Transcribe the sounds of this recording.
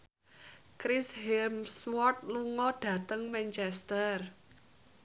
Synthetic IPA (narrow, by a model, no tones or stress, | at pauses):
kɾɪshirmswɔrt̪̚luŋɔɖ̥ä̤t̪əŋmɛnt͡ʃɛst̪ər